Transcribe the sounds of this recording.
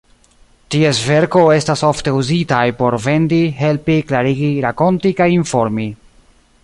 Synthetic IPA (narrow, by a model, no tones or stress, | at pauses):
tie̞sve̞ɾko̞e̞staso̞fte̞uzitajpo̞ɾve̞ndiɦe̞lpiklaɾiɡiɾako̞ntikajiɱfo̞ɾmi